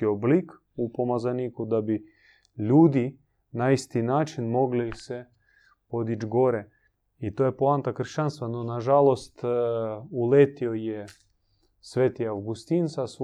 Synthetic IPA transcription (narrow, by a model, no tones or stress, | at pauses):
ioblik | upomazaniːkud̪abi | ʎuːd̪i | naist̪inaːt͡ʃinmo̞ɡlise | po̞d̪id͡ʒɡo̞ɾe | it̪ojepoant̪akr̩ʃt͡ʃanst̪ʋanonaʒalost̪ | ulet̪ioje | sʋeːt̪iawɡust̪insas